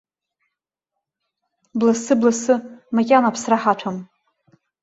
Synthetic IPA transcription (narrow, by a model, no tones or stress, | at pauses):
blasɨblasɨmakʲʼanapʰsraħaʈ͡ʂʷʰam